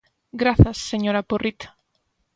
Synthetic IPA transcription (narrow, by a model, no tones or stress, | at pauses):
ɡɾaθɐsːeɲoɾaporit̪